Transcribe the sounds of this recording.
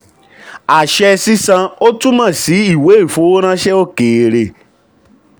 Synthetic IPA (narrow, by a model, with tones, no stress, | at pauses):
a˨ʃɛ˦˧si˦sã˧o˦tũ˦mã˦˨si˨˦i˦˨we˨˦i˦˨fo˨˦o˦ɾ̃ã˦ʃɛ˦o˦keː˨ɾe˨